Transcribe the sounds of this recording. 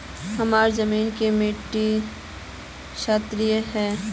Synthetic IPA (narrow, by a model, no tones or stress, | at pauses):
hɐmaːɾzɐmiːnkemeːʈːi | ʃaːt̪ɾijəɦɛː